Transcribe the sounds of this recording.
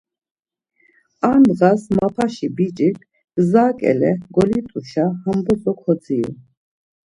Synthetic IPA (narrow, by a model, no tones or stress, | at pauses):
and̪ʁasmapʰaʃibit͡ʃʼit | zaːkʼɛ̰lɛɡɔlit̪ʼuʃahəmbɔsʼɔkʰɔd͡zʼiṵ